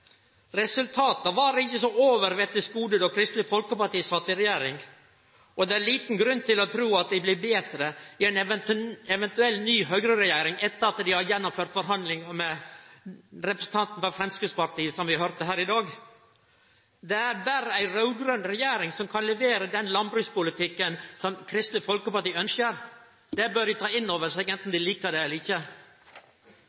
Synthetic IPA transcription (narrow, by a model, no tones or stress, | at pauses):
ɾɛsʉlt̪ʰɑːt̪əʋɑːɾɪçːəsɔoːʋəɾʋɛt̪ːɪsɡuːd̪əd̪ɔːkʰɾɪst̪lɪfɔlkəpɑʈiːsɑːt̪ɪɾɛjeːɾɪŋ | ɔd̪ɛæɾliːt̪n̩ɡɾʉnːt̪ʰɪlɔt̪ʰɾuːɑt̪̚d̪æɪblɪɾbeːd̪ɾəɪɛn | ɛʋɛnt̪ʉɛlnyːɦœʏɡɾəɾɛjeːɾɪŋɛt̪ːəɾɑt̪d̪ɪhɑɾjɛnːʊmføːɾʈt̪fɔɾɦɑnd̪lɪŋəmɛ | ɾɛpɾəsən̩t̪ʰɑnt̪n̩fɔfɾɛmskʉːspɑɾʈ̪iːəsɔmʋɪhœɾt̪əɦæːɾɪd̪ɑːɡ | d̪ɛæɾbæːɾəæɪɾœʉɡɾœnɾɛjeːɾɪŋsɔmkʰɑnlɛʋeːɾəd̪ɛnlɑnbɾʉːspʊlɪt̪ɪkːənsɔmkʰɾɪst̪nəfɔlkəpɑʈiːœnsəɾ | d̪ɛbøːɾɖɪt̪ʰɑːɪnːoːʋəʂɛːɡɛnt̪n̩d̪ɪliːkəɖɛɛlːɪçə